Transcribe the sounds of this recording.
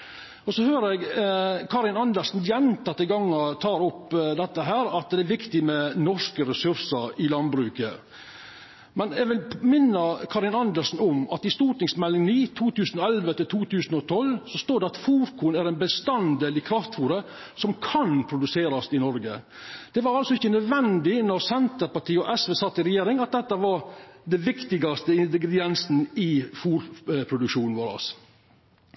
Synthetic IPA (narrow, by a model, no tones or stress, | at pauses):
ɔsɔhøːɾɛɡkʰɑːɾɪnɑnd̪əlsn̩jɛnt̪ɑt̪ːɪɡɑŋːɑt̪ʰɑːɾɔpd̪ɛt̪ːəɦæːɾɑt̪̚d̪ɛæɾʋɪkt̪ɪmɛnɔʂkəɾɛsʉɾsəɾɪlɑnbɾʉːkə̰ | mɛnɛɡʋɪlmɪnːəkʰɑːɾɪnɑnd̪əlsn̩ʊmɑt̪ɪst̪uːʈɪŋsmɛlːɪŋniːt̪ʰuːt̪ʉːsənɔɛlʋət̪ɪlt̪ʰuːt̪ʰʉːsənɔt̪ʰɔlsɔst̪oːɖɛɑt̪fuːɾkʰuːnæɾɛnbəst̪ɑnd̪eːlɪkʰɾɑft̪fuːɾə | sɔmkʰɑnpʰɾʊd̪ʉseːɾɑsɪnɔɾɡə̰ | d̪̥ɛʋɑɾɑlsɔɪçːənœd̪ʋɛnd̪ɪnɔɾsɛnt̪əɾpɑʈʰiːɔʔɛsʋeːsɑt̪ːɪɾɛjeːɾɪŋɑt̪̚d̪ɛt̪ːəʋɑɾd̪ɛʋɪkt̪ɪɡɑst̪əɪnd̪ɪɡɾɛd̪ɪɛnsn̩ɪfuːɾpʰɾʊd̪ʉkʃuːnn̩ʋoːɾɑ̰s